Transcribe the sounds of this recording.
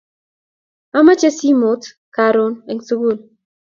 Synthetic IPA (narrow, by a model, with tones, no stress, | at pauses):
a˦ma˦t͡ʃe˦si˦mo˨˦t | ka˨ɾo˦ne˨ŋsu˦ɡu˦˨l